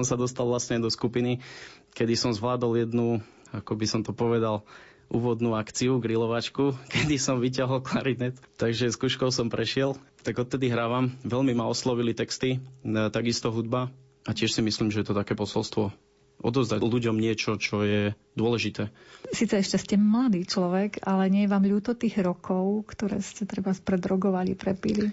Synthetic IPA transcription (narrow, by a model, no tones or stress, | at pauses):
ɔmsad̪ɔst̪alˠʋlasɲɛd̪ɔskupini | kɛd̪isɔmzʋlaːd̪ɔljɛd̪nu | akɔbisɔmt̪ɔpɔʋɛd̪al | ʔuːʋɔd̪nuakt͡siuɡɾilɔʋat͡ʃkukɛd̪isɔmʋic̬aɦɔlklaɾiɲɛt̪t̪aɡʒɛskuːʃkɔʊsɔmpɾɛʃɪɛl | t̪aɡɔt̪̚t̪ɛd̪iɦɾaːʋamʋɛʎmimaɔslɔʋilit̪ɛkst̪it̪aɡist̪ɔɦud̪̚ba | acɪɛʃsimisliːmʒɛjɛt̪ɔt̪akɛːpɔsɔlst̪ʋɔ | ʔɔ̰d̪ɔzd̪aluɟɔmɲɪɛt͡ʃɔt͡ʃɔjɛ | d̪ʊɔlɛʒit̪ɛːsiːt͡sɛɛʃcɛscɛmlad̪iːt͡ʃlɔʋɛɡalɛɲɪɛjɛʋaːmʎuːt̪ɔt̪iːɣɾɔkʰɔʊkt̪ɔɾɛ̰ːscɛt̪ɾɛbaspɾɛd̪ɾɔɡɔʋalipɾɛpili